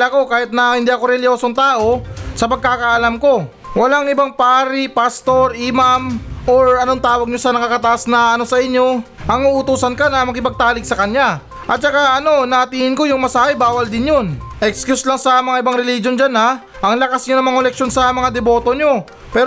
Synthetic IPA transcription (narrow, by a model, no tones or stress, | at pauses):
lako̞kaːhɪt̪̚nɐhɪnd̪iʔɐko̞ɾɛlosoŋt̪aːʔo̞sɐpɐɡ̚kaːkɐʔɐlamko̞ | wɐlaŋɪbaŋpaːɾipast̪o̞ɾɪmamʔoɾɐnoŋt̪aːwɐɡ̚ɲo̞sɐnɐkakɐt̪ɐʔasnɐɐno̞sɐʔɪɲːo̞ | ʔɐŋuʔʊt̪uːsɐnkanɐmɐkɪpɐɡ̚t̪aːlɪɡsɐkɐɲja | ʔɐt̪̚t͡ʃɐkaʔɐno̞nɐt̪iːhɪnko̞jʊŋmɐsaːhɛbaːwɐld̪ɪnjonʔɛkskjuslaŋsɐmɐŋaʔɪbaŋɾɛlid͡ʒo̞nd͡ʒana | ʔɐŋlɐkasɲonɐŋmɐŋolɛk̚ʃo̞nsɐmɐŋad̪ɛbo̞ːt̪o̞ɲo̞ | pɛːɾ